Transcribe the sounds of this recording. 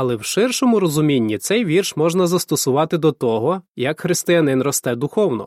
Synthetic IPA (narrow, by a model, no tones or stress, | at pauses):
ɐlˠɛwʃɪrʃɔmʊɾɔzʊmʲinʲːit̪sɛjʋʲirʃmɔʒnɐzɐst̪ɔsʊʋɑt̪ɪd̪ɔt̪ɔɦɔjɐkxɾɪst̪ɪjɐnɪnrɔst̪ɛd̪ʊxɔwnɔ̰